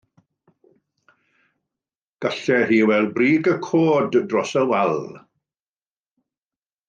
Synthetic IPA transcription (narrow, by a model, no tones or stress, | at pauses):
ɡ̥aɬɛr̥iːwɛlˠbriːɡəkʰoːddrɔsəwalˠ